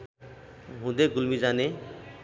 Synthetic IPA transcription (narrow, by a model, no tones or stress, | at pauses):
ɦũd̪eɡulmid͡zane